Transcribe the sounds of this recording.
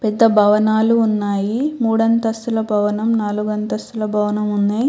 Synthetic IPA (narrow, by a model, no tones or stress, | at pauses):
pɛd̪ːɐbʱɐʋɐnaːluːnːaːjimuːɽɐnt̪ɐsulɐbʱɐʋɐnɐmnaːluɡɐnt̪ɐsulɐbʱɐʋɐnɐmune